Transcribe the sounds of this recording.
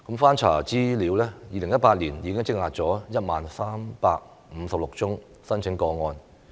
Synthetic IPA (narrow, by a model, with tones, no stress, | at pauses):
kə˨˥mfaː˥nt͡sʰa̰ː˨˩t͡siː˥liː˨˥wlɛː˥jiː˨˧lɪ˨˩ŋjɐ˥t̚paː˧t̚liː˨˩njiː˨˧kɪ˥ŋt͡sɪ˥k̚ŋaː˧t̚t͡sɔː˨˥jɐ˥t̚maː˨nsaː˥mpaː˧k̚ | m̩˨˧sɐ˨p̚lʊ˨k̚t͡sʊ˥ŋ | sɐ˥nt͡sʰɪ˨˥ŋkɔː˧ŋɔː˧n